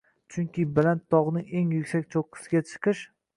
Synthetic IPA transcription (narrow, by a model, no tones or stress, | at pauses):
t͡ʃʰʊŋkʲɪbalant̪ʰːɒʁnɪeŋjʊkʲsak̚ʲt͡ʃʰoqʰːɨ̥sɪɡʲat͡ʃʰɨ̥qɨʃ